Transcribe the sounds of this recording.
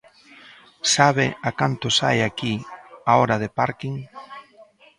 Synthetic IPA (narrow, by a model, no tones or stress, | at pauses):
saβeakant̪osa̰jakiaoɾað̞epaɾkiŋ